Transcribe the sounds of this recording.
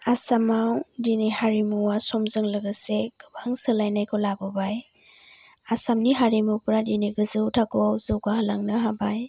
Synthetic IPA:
asamawdinehaɾimuwasɔmzɯŋlɯɡɯseɡɯbaŋsɯlajnajkʰɔlabɔbaj | asamniɦaɾimuwpɾadineɡɯzɯwtʰakʰɔwzɯwɡahalaŋnɯɦabaj

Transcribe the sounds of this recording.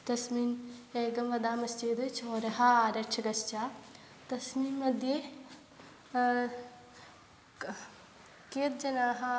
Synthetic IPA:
t̪ɐsmiːneːɡɐmʋɐd̪aːmɐsd͡ʒid̪ɨt͡ʃʰoːɾɐɦaaːɾɐt͡ʃʰɐɡɐst͡ʃaː | t̪ɐsmiːnːɐd̪ʱje | keːt̪̚d͡ʒɐnaːɦa

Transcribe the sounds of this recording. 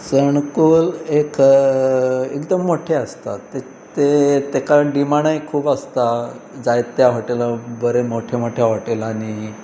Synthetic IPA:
səɳkolek | ekd̪əmːoʈʰeast̪a̰e | t̪et̪ekaɖimaɽaikʰuːbast̪ad͡zajt̪ːjaɦoʈelabəɾemoʈʰemoʈʰjaʋoʈelaɽ̃i

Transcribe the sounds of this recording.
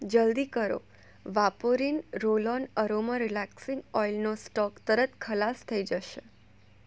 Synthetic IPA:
d͡ʒəld̪ikəɾo̰ | ʋapoɾinɾolɔnəɾoməɾilɛksɪ̃ŋɡɔilnosʈɔkt̪əɾət̪kʰəlast̪ʰəid͡ʒəʃe

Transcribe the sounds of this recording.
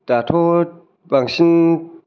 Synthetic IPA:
tat̪ʰo | baŋsin

